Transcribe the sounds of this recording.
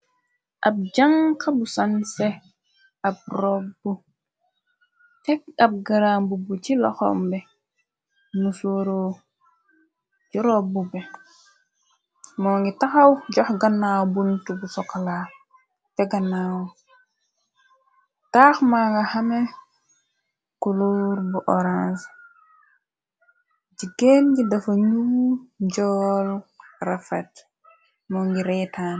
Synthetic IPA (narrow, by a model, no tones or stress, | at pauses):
ʔab̚d͡ʒaŋkʰabusanse | ab̚ɾobu | tɛkab̚ɡaɾambubut͡ʃilɔ̰xɔ̰mbɛ | musoɾo | d͡ʒiɾobubɛ | mɔːŋɡitaxawɟɔhɡanːaːbuntubusɔkala | tɛɡɐnːaw | taːxmaːɡɐhɐme | kuluɾbuʔɔɾas | ɟiɡenɡidɐfɐɲuwuɟɔlrafɛt | mɔːŋɡiɾɛːtaːn